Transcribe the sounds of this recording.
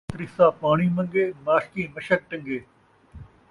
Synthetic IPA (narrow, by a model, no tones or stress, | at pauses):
t̪ɾɪsaːpaːɳ̃iːmɐ̃ŋɡeːmaːskiːmɐʃək̚ʈɐ̃ŋɡeː